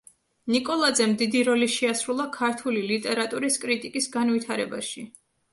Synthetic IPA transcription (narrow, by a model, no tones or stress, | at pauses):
nikʼɔlˠad̪zɛmd̪id̪iɾɔliʃɛasɾulˠakʰaɾt̪ʰulilit̪ʼɛɾat̪ʼuɾiskʼɾit̪ʼikʼisɡanvit̪ʰaɾɛbaʃi